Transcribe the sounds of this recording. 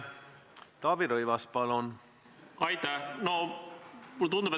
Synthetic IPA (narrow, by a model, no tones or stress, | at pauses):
t̪ɑːb̥iɾɤjvɑspɑlon | ɑjt̪ːæhno | mult̪und̪ube